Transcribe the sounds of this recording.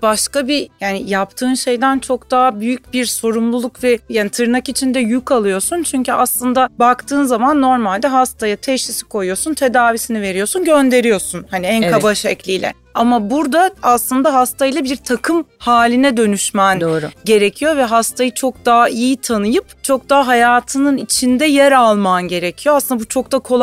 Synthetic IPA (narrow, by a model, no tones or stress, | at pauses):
b̥aʃkabijaːnijap̚t̪ʰɯːnʃe̞jd̪ænt͡ʃʰo̞kd̪aːbyjyc̚biɾso̞ɾumlˠulˠukvɛjaːnit̪ʰɯɾnakit͡ʃʰind̪ɛjykalˠɯjo̞sunt͡ʃʰyɲcyaslˠɯnd̪abakt̪ʰɯːnzamanːo̞ɾmalʲd̪ɛɦast̪ʰajat̪ʰɛʃisi̥kʰo̞jjo̞sunt̪ʰe̞d̪aːvisinive̞ɾijo̞sunɟønd̪e̞ɾijo̞sunhaniænkabaʃɛclʲijlʲɛ̰ | amabuɾd̪aaslˠɯnd̪aɦast̪ʰajilˠabiɾt̪ʰakʰɯmhaːlʲinɛd̪ø̞nyʃmænd̪oːɾɟe̞ɾecʰijo̞vɛɦast̪ʰajɯt͡ʃʰo̞k̚d̪aːijit̪ʰanɯjɯpt͡ʃʰo̞k̚d̪aːɦajaːt̪ʰɯnɯnit͡ʃʰind̪ɛjæɾalˠmanɟe̞ɾecʰijoaslɯnd̪abut͡ʃʰo̞k̚d̪akʰo̞lˠ